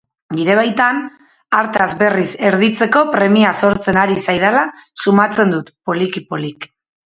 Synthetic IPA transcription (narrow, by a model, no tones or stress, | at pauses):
niɾe̞β̞ajt̪an | aɾt̪azβe̞rise̞ɾðit͡se̞ko̞pɾe̞miaso̞ɾt͡se̞naɾisajð̞alasumat͡se̞nd̪ut̪po̞likipolik